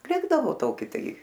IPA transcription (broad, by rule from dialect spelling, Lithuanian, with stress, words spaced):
ˈlʲɪɡdɐʋoː ˈtoːkʲɪ ˈtɐɪ